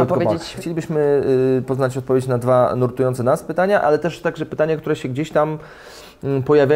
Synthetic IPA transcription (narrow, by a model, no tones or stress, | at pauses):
ɔt̪ɔvpext͡ɕelʲibɘɕmɘpɔznat͡ɕɔt̪̚pɔvʲjet͡ɕnad̪vanuɾt̪ujɔnt̪sɛnaspɘt̪aɲaʔalɛt̪ɛʂt̪aɡʐɛpɘt̪aɲakt̪uɾɛɕɛɡd͡ʑeɕt̪am | pɔjavʲa